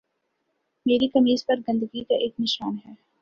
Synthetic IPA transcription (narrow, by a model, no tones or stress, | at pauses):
meːɾikɐmiːzpɐɾɡɐ̃nd̪əɡikaʔeːknɪʃaːnɦɛː